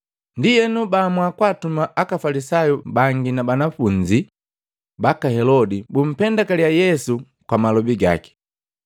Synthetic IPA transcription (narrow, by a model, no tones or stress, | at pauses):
ndijɛnubamwakwatumaʔakafalisajubaŋɡinabanafuɲd͡ʒi | bakahɛlɔdibum̩pɛndakalijajɛsu | kwamalɔbiɡa̰ki̥